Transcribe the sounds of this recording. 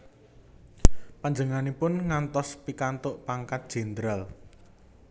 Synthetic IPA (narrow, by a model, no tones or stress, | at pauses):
paɲd͡ʒəŋanipʊnŋant̪ɔspikant̪ʊʔpaŋkat̪̚d̥ʒ̥ɛ̤nd̪ɾal